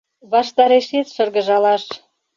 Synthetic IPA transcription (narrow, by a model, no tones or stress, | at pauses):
βɑʃt̪ɑɾeʃet̪ʃɤ̆rɣə̆ʒɑlɑʃ